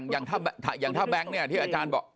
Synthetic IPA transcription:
ŋjaː˨˩ŋt̪ʰaː˥˩bɛ˧t̪ʰa˧˩jaː˨˩ŋt̪ʰaː˥˩bɛ˦˥ŋni˥˩ɐt̪ʰiː˥˩aː˧t͡ɕaː˧nbɔː˨˩k̚

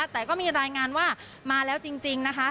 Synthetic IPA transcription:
t̪ɛː˨˩kɔː˥˩miː˧ɾaː˧jŋaː˧nwaː˥˩ | maː˧lɛː˦˥wt͡ɕi˧ŋt͡ɕi˧ŋna˦˥kʰa˦˥

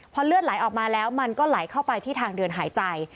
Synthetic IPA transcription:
pʰɔ˧˥lɯ˥˩ət̪̚la˩˦jʔɔː˨˩k̚maː˧lɛː˦˥wma˧nkɔː˥˩la˩˦jkʰa˥˩wpa˧jt̪ʰiː˥˩t̪ʰaː˧ŋdɯ˧ənɦaː˩˦jt͡ɕa˧j

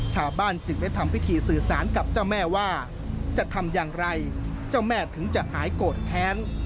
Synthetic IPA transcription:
t͡ɕʰaː˧wbaː˥˩nt͡ɕɯ˨˩ŋda˥˩jt̪ʰa˧mpʰi˦˥t̪ʰiː˧sɯː˨˩saː˩˦nka˨˩p̚t͡ɕaː˥˩wmɛː˥˩waː˥˩ | t͡ɕa˨˩t̪ʰa˧mjaː˨˩ŋɾa˧jt͡ɕa˥˩wmɛː˥˩t̪ʰɯ˩˦ŋt͡ɕa˨˩ʔhaː˩˦jkoː˨˩t̪̚kʰːɛː˦˥n

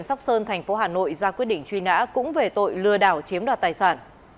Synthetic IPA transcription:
nsa˦˥wk͡p̚səː˧nt̪ʰɛ˨˩jŋ̟fo˨˦ɦaː˨˩no̰˧˨jzaː˧kwi˦˥ət̚ɗḭ˧˨ŋ̟t͡ɕwi˧na̰ː˧˥kʊ̰˧˥ŋ͡mve˨˩t̪o̰˧˨jlɨ˧əɗaː˧˩wt͡ɕi˨˦əmɗwaː˨˩t̪aː˨˩jsaː˧˩n

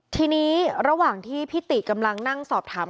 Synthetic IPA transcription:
t̪ʰiː˧niː˦˥ɾa˧waː˨˩ŋt̪ʰiː˥˩pʰi˦˥t̪i˨˩ka˧mla˧ŋna˥˩ŋsɔː˨˩p̚t̪ʰaː˩˦

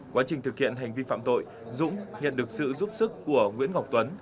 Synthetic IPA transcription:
kwaː˨˦t͡ɕï˨˩ŋ̟t̪ʰɨ˨˩k̚hḭ˧˨ənɦa˨˩jŋ̟vi˧fa̰ː˧˨mt̪o̰˧˨j | zʊ̰˧˥ŋ͡mɲə̰˧˨nɗɨ˨˩ək̚sɨ̰˧˨zu˦˥p̚sɨ˦˥kːu˧˩əŋwḭ˧˥ənŋa˨˩wk͡p̚t̪wə˨˦n

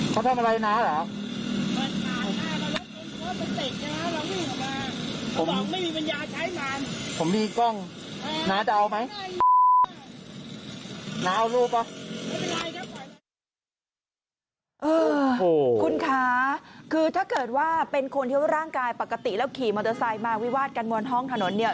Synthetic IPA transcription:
kʰa˧˩t̪ʰa˧˩mʔa˧ɾa˧jnaː˦˥laː˨˦˥wma˧˩nkaː˨˦jnaː˦˥ma˧wa˦˥˩e˧n˨˩waː˥˩ma˧nse˨˩t̪̚na˥˩ŋaː˦˥laː˧ma˥˨˩maː˧pʰo˨˦m̚˨˦ma˥˩jmiː˧pa˧njaː˧t͡ɕʰaː˦˥jnaː˧˦˥mpʰo˩˦mdiː˧kɔ˥˩ŋ | naː˦˥t͡ɕa˧ʔa˧wma˦˥j | naː˦˥wluː˥˩p̚ɔ˦˩˥a˧j | ʔɤː˧˨ | kʰu˧nkʰaː˦˥kʰɯː˧t̪ʰaː˥˩kɤː˨˩t̪̚waː˥˩pe˧nkʰo˧nt̪ʰi˥˩a˥˩ɾaː˥˩ŋkaː˧jpa˨˩kːa˧t̪i˨˩lɛː˦˥wkʰiː˨˩mɔː˧˩t̪ɤː˧saː˧jmaː˧wi˦˥waː˥˩t̪̚ka˧nmu˧ənɦɔ˥˩ŋt̪ʰa˧no˩˦nːi˥˩ɐ

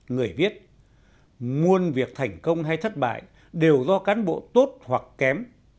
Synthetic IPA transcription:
ŋɨ˨˩əjvi˦˥ət̚ | ŋu˧ənvi˨˩ək̚t̪ʰa˨˩jŋ̟kə˧wŋ͡mɦa˧jt̪ʰə˦˥t̚ɓa̰ː˧˨j | ɗe˨˩wzɔ˧kaː˨˦nɓo̰˧˨t̪o˦˥t̚hwa˨˩kːɛ˨˦m

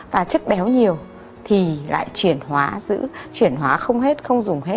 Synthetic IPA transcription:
vaː˨˩t͡ɕə˦˥k̚ɓɛ˨˦wɲi˨˩əw | t̪ʰi˨˩la̰ː˧˨jt͡ɕwi˧˩ənɦwaː˨˦zɨ̰˧˥t͡ɕwi˧˩ənɦwaː˨˦xə˧wŋ͡mɦe˦˥t̚xə˧wŋ͡mzʊ˨˩ŋ͡mɦe˦˥t̚

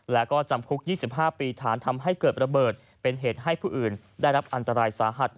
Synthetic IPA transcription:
lɛ˦˥kɔː˥˩t͡ɕa˧mkʰu˦˥k̚jiː˥˩si˨˩p̚ɦaː˥˩piː˧t̪ʰaː˩˦nt̪ʰa˧mɦa˥˩jkɤː˨˩t̪̚ɾa˧bɤː˨˩t̪̚ | pe˧nɦeː˨˩t̪̚ɦa˥˩jpʰuː˥˩ʔɯː˨˩n | daː˥˩jɾa˦˥p̚ʔa˧nt̪a˧ɾaː˧jsaː˩˦ɦa˨˩t̪̚

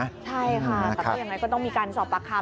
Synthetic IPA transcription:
t͡ɕʰa˥˩jkʰa˥˩t̪ɛː˨˩ɔː˥˩ja˧˩ŋa˧˥jkɔ˥˩t̪ɔ˥˩ŋmiː˧kaː˧nsɔː˨˩p̚aː˨˧˥kʰːaː˧˥

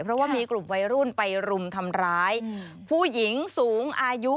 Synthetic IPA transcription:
pʰɾɔ˦˥waː˥˩miː˧klu˨˩mwa˧˥jɾu˥˩npa˧jɾu˧mt̪ʰa˧mɾaː˦˥j | pʰuː˥˩ji˩˦ŋsuː˩˦ŋʔaː˧ju˦˥

